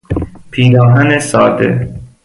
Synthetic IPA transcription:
pʰiːnɒːɦænesɒːd̪ḛ

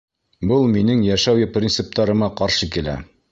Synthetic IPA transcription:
bɤlˠminɘŋjæʃæwjɘprʲint̪sɘp̚t̪ɑɾɤ̆mɑqɑɾʃɤkilæ̰

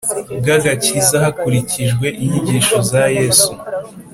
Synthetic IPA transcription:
ɡaɡacizahakuɾiciʒɡwe̞ʔiɲiɟiːʃo̞zaje̞ːsu

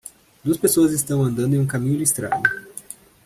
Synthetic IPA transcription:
d̪uɐspesoɐzist̪ɐ̃w̃ɐ̃nd̪ɐ̃d̪ʊẽj̃ũkamĩɲʊd͡ʒist̪ɾa̰ɡʊ

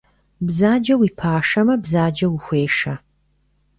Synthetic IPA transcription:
bzaːd͡ʒɐwiːpʰaːʂɐmɐbzaːd͡ʒɐwixʷeːʂɐ

